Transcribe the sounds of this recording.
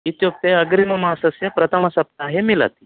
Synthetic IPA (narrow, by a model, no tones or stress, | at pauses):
it̪jok̚t̪eəɡɾiməmasəsjɐpɾɐt̪ʰəməsɐp̚t̪aːɦemila̰t̪i̥